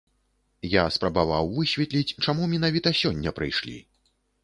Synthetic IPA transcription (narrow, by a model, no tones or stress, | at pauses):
jaspɾɐbavawvɨsʲvʲɛt̪lʲit͡sʲt͡ʂamumʲinavʲit̪ɐsʲɔnʲːɐpɾɨ̰jʂlʲḭ